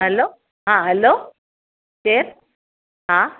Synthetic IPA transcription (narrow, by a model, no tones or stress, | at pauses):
ɦɛlo | ɦãɦɛlo | seɾ | ɦã